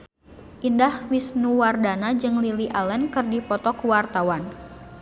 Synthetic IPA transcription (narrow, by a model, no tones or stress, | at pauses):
ʔindahwisnuwardanad͡ʒɨŋliliʔalɛnkɨrdipɔt̪ɔkuwart̪awan